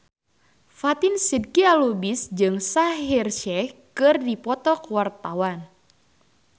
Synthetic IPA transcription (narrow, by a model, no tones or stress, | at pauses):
fat̪insid̚kialubisd͡ʒɨŋsaɦirʃɛkɨrdipɔt̪ɔkwart̪awan